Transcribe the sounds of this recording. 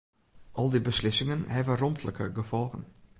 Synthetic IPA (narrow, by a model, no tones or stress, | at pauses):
ʔɔlˠdibəslɪsɪŋənhɛvəromtʰləkə̰ɡəfɔlˠɣən